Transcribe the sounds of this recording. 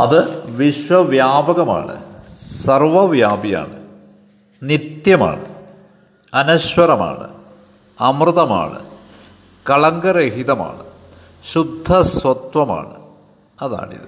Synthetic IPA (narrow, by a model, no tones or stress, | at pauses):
ɐ̰ðɨʋiɕwɐʋjaːbɐɣɐma̰ːɳɨ̰sɐrʋɐʋjaːbija̰ːɳɨ | nit̪jɐma̰ːɳɨ | ɐnɐɕwɐɾɐma̰ːɳɨ̰ | ɐmrɨðɐma̰ːɳɨ̰ | kɐɭɐŋɡɐɾeɦiðɐma̰ːɳɨ | ɕud̪ʱːɐsʋɐt̪ʋɐma̰ːɳɨ | ɐða̰ːɳḭðɨ